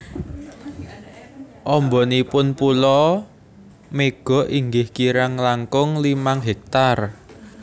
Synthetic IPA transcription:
ʔɔmbɔnipʊnpulɔ | meɡ̥ɔ̤ʔiŋɡɪhkiɾaŋlaŋkʊŋlimaŋɦek̚t̪ar

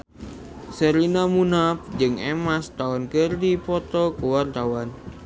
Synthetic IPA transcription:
səɾinamunap̚d͡ʒɨŋemast̪aɔnkərdipɔt̪ɔkuwart̪awan

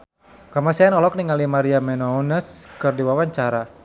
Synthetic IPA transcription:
kamasɛanɔlɔk̚niŋalimaɾiamɛnɔnəskɨrdiwawaɲt͡ʃaɾa

